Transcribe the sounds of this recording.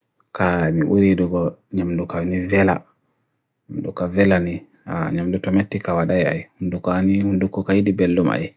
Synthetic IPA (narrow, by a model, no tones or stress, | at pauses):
kamiʔuɾiɗuɡɔɲamdukawnivɛla̰ | ɲamdṵkavɛlani | a̰ɲamdutɔmetːikawaɗaja̰jhundukanihundukɔkajidibelːuma̰ji